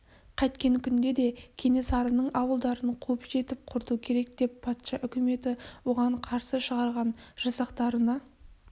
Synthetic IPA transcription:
qʰɑjt̪kʲe̞ŋkʲʰʏnd̪e̞d̪e̞kʲʰe̞ne̞sɑɾənəɴʔɑwəlˠd̪ɑɾəɴqʰɵpʒe̞t̪ɪp̚qʰʊɾt̪ukʲʰe̞ɾe̞k̚d̪̥e̞pːʰɑt̪ʃɑʔʏkʲɪme̞t̪ɪwo̞ʁɑɴqʰɑɾsəʃəʁɑɾʁɑnʒ̥ɑsɑqt̪ɑɾənɑ

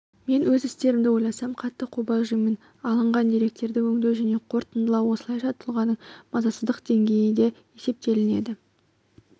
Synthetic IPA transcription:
me̞nwɵzɪst̪e̞ɾɪmd̪ɪwo̞jlˠɑsɑmqʰɑt̪ːəqʰubɑʒʏjmen | ɑlˠəɴʁɑnd̪eɾe̞k̚t̪e̞ɾd̪ɪwɵŋd̪ewʒæne̞qʰo̞ɾt̪ənd̪əlˠɑwwo̞səlˠɑjʃɑt̪ʰʊlˠʁɑnəɴmɑzɑsəzd̪əqd̪e̞ŋɡʲe̞jɪd̪e̞je̞se̞p̚t̪e̞lɪne̞d̪ɪ

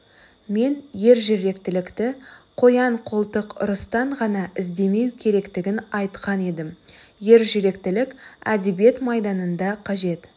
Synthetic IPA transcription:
me̞nje̞ɾʒeɾe̞kt̪ɪlɪkt̪ɪqʰo̞jɑɴqʰolˠt̪əqʊ̰ɾəst̪ɑɴʁɑnɑʔɪzd̪e̞me̞wkʲʰe̞ɾe̞kt̪ɪɡʲɪnɑjt̪qɑne̞d̪ɪmje̞ɾʒeɾe̞kt̪ɪlɪkʲæ̰d̪e̞bije̞t̪mɑjd̪ɑnənd̪ɑqʰɑʒe̞t̪

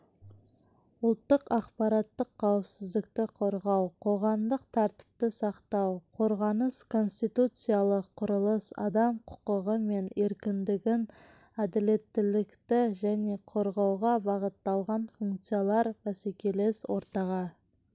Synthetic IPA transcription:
ʊlˠt̪ːəqɑqpɑɾɑt̪ːəqʰːɑwəpsɪzd̪ɪkt̪ɪqʰo̞ɾʁɑwqʰo̞ʁɑmd̪əq̚t̪ʰɑɾt̪ɪ̥p̚t̪əsɑqt̪ɑwqʰo̞ɾʁɑnəskʰo̞nst̪ijt̪ut̪sɨjalˠəqʰːʊɾəlˠəsɑ̰d̪ɑmqʰʊ̥qəʁəme̞ne̞ɾkʲɪnd̪ɪɡʲɪn | æd̪ɪle̞t̪ːɪlɪkt̪ɪʒæne̞qʰo̞ɾʁɑwʁɑbɑʁət̪ːɑlˠʁɑnfuŋkt̪sɨjalˠɑɾbæsekʲe̞leswo̞ɾt̪ɑʁɑ

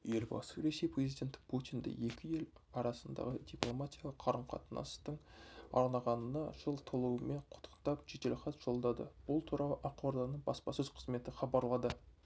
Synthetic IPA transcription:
je̞lbɑ̰səɾe̞se̞jprʲe̞zijdʲe̞nt̪pʰut̪ijnd̪ɪ̰je̞kʲɪje̞lɑɾɑsənd̪ɑ̰ʁəd̪ʲiplˠomat̪ʲijɑlˠəqʰɑɾəɴqʰɑ̰t̪ənʔɑ̰st̪əɴɑ̰ɾnɑʁɑnənɑʒ̥əlˠt̪ʰolˠuwəme̞ɴqʰʊ̥t̪ʰːə̥qt̪ɑpʒet̪elχɑt̪ʒ̥o̞lˠd̪ɑd̪ə̰b̥ʊlˠt̪ʰuɾɑlˠəʔɑqwoɾd̪ɑnəɴbɑspɑsɵzqʰəzme̞t̪ɪχɑbɑɾlˠɑd̪ə

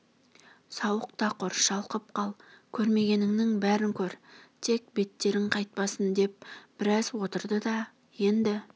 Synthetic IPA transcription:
sɑwəq̚t̪ɑqʰʊɾʃɑlˠqəp̚qʰɑlˠkʲʰɵɾme̞ɡʲe̞nɪŋnɪŋbæɾɪŋkʲʰɵɾt̪ʰe̞k̚be̞t̪ːe̞ɾɪŋqʰɑjt̪̚pɑsənd̪e̞p̚b̥ɪɾɑzwo̞t̪əɾd̪əd̪ɑ | je̞nd̪ɪ

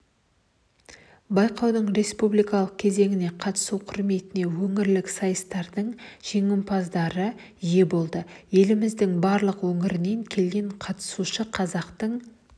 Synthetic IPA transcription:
bɑjqɑwd̪əɴɾe̞spublijkɑlˠəq̚kʲʰe̞ze̞ŋɪne̞qʰɑt̪ə̥suwqʰʊɾme̞t̪ɪne̞wɵŋɪɾlɪksɑjəst̪ɑɾd̪əɴʒ̥e̞ŋɪmpʰɑzd̪ɑɾə | ije̞bo̞lˠd̪əje̞lɪmɪzd̪ɪŋbɑɾlˠəqwɵŋɪɾɪne̞ŋkʲʰe̞lɡʲe̞ɴqʰɑt̪ə̥suʃəqʰɑzɑqt̪əɴ

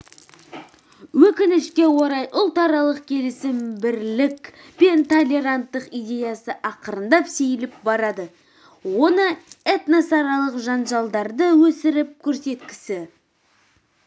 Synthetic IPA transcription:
wɵkʲɪnɪʃkʲe̞wo̞ɾɑjʔʊlˠt̪ɑɾɑlˠəqkʲʰe̞lɪsɪmbɪɾlɪkʲ | be̞nt̪ʰo̞lʲe̞ɾant̪ːəqijd̪ʲe̞jɑsəʔɑqəɾənd̪ɑpsejɪlɪp̚bɑɾɑd̪ə | wo̞nəet̪nɑsɑɾɑlˠəqʒɑnʒɑlˠd̪ɑɾd̪əwɵsɪɾɪp̚kʲʰɵɾse̞t̪kʲɪ̥sɪ

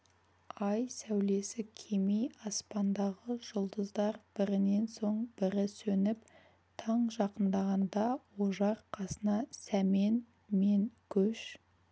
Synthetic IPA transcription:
ɑjsæwle̞sɪkʲʰemijɑspɑnd̪ɑʁəʒ̥ʊlˠd̪əzd̪ɑɾb̥ɪɾɪne̞nso̞ɴbɪɾɪsɵnɪp | t̪ʰɑɴʒɑqənd̪ɑʁɑnd̪ɑwoʒɑɾqʰɑsənɑsæme̞n | me̞ŋkʲʰɵʃ

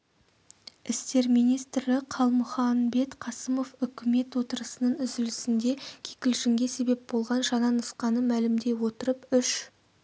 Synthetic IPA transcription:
ɪst̪e̞ɾmijnijst̪ɾɪqʰɑlˠmʊχɑnbe̞t̪qʰɑsəmo̞fʏkʲʰɪme̞t̪wo̞t̪əɾəsənəɴʏzɪlɪsɪnd̪e̞kʲʰekʲɪlʒɪŋɡʲe̞se̞be̞p̚bo̞lˠʁɑnʒɑnɑnəsqɑnəmælɪmd̪e̞wo̞t̪əɾəpʏʃ

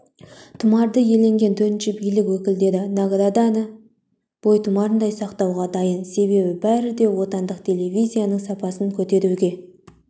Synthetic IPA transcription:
t̪ʰʊmɑɾd̪əje̞le̞ŋɡʲe̞nt̪ʰɵɾt̪ɪnʃɪbijlɪkwɵkʲɪld̪e̞d̪ɪnɑɡd̪ɑd̪ɑnə | b̥o̞jt̪ʰʊmɑɾənd̪ɑjsɑqt̪ɑwʁɑd̪ɑjənse̞βe̞bɪbæɾɪd̪e̞wo̞t̪ɑnd̪əqt̪ʰe̞le̞vʲijzʲijanəɴsɑpɑsəŋkʲʰɵt̪e̞ɾuɡʲe̞

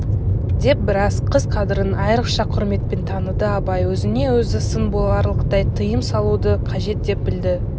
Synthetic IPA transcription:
d̪e̞p̚bɪɾɑsqʰəzqʰɑd̪ɪɾənɑjɾəqʃɑqʰʊɾme̞t̪̚pent̪ʰɑnəd̪əɑpɑjwɵzɪne̞wɵzɪsənbolˠɑɾlˠəqt̪ɑjt̪ʰəjəmsɑlˠud̪əqʰɑʒe̞t̪̚d̪e̞p̚bɪld̪ɪ

